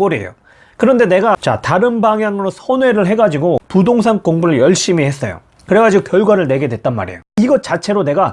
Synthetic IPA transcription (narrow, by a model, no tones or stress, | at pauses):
k͈oɾiḛjo̰ | kɯɾʌnde̞ne̞ɡat͡ɕa̰taɾɯnbaŋjaŋɯɾosʰʌnwe̞ɾɯɭɦe̞ɡad͡ʑiɡopudoŋs̬ʰaŋk͈oŋbuɾɯɭjʌɭɕ͈imihes͈ʌjo̰ | kɯɾeɡad͡ʑiɡokjʌɭɡwaɾɯɭne̞ɡe̞dwe̞t̚t͈anma̰ɾḛjoiɡʌt͡ɕ͈at͡ɕʰe̞ɾone̞ɡa